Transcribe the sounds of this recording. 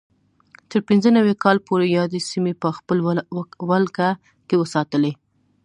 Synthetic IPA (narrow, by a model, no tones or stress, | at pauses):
t̪əɾpɪnzənawekɑlpoɾejɑd̪esimepəxpəlwalka | kewəsɑt̪əle